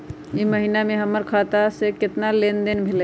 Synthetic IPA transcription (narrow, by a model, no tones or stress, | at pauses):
jiməɦinamẽɦəmːəɾkʰat̪asekɪt̪nalend̪enbʱel